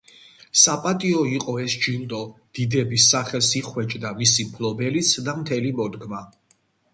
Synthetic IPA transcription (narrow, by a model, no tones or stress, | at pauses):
sapʼat̪ʼiɔiqʼɔɛsd͡ʒint̪ʼɔd̪̥id̪ɛbisaχɛlˠsiχwɛt͡ʃʼd̪amisimpʰlɔbɛlit̪sʰd̪amt̪ʰɛlimɔd̪ɡma